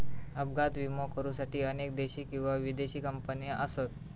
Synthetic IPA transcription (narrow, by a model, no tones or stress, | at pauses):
əbɡat̪ʋimokəɾuːsaʈiːənek̚d̪eɕiːkĩw̃ʋaʋid̪eɕiːkəmpənijəʔəsət̪̚